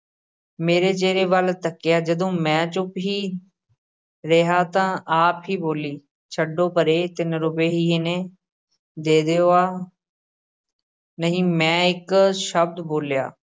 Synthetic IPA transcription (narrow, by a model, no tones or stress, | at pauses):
meːɾeːt͡ʃeːɾeːʋəlt̪əkːɪjaːd͡ʒəd̪õːmɛ̃ːt͡ʃʊpɦiː | ɾeɦaːt̪ãːaːpɦiːboːliː | t͡ʃʰəɖõːpəɾeːt̪ɪnɾʊpeːɦiːɪneː | d̪eːd̪eːoːaː | nəɦĩːmɛ̃ːɪkʃəb̚d̪boːlja̰ː